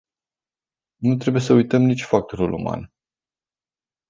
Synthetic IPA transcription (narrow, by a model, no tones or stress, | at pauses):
nut̪ɾe̞buje̞səujt̪əmnit͡ʃʲfak̚t̪oɾulṵma̰n